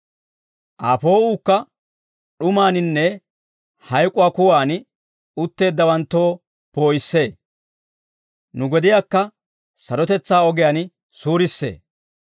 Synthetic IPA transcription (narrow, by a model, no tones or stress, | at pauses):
ʔaːpo̞ːuːkːɐ | ɗʊmaːnɪnːɛ | hɐjkʼʊwaːkʊwaːn | ʊt̪ːe̞ːd̪ːɐwɐnt̪ːo̞ː | po̞ːjɪsːe̞ː | nʊɡɔd̪ɪjaːkːɐ | sɐɾɔt̪ɛt͡sːaːɔɡɛjaːn | suːɾɪsːe̞̰ː